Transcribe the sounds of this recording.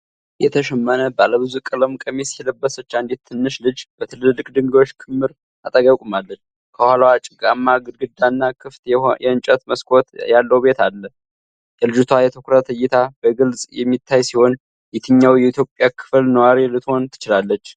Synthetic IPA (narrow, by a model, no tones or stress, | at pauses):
jɛt̪ʰəʃɛmːənəbaləβɨzukʼɨləmkʼəmesjɛləbːəsət͡ʃːand̪et̪t̪ʰːɨnːɨʃlɨd͡ʒb̥ət̪ʰɨlɨlːɨkʼd̪ɨŋɡo̞t͡ʃːkʰɨmːɨɾ | at̪ʼəɡakʼumalːət͡ʃː | kʰəhalwat͡ʃʼɪɡamːaɡɨd̪ɡɨd̪anːakʰɨft̪jɛɨnt͡ʃʼɛt̪məskʰo̞t̪jalːəwbe̞t̪ʰalːə | jɛlɨd͡ʒut̪ʰwajɛt̪ʰokɾət̪ʰɨjːɪt̪ʰabəɡɨlsʼjɛmːit̪ʰːajsiho̞n | jɛt̪ʰɨɲːawjɛit̪ʰjopʼjakʰɨ̥flnəwaɾilɨt̪ho̞nt̪ʰɨ̥t͡ʃɪlalːət͡ʃː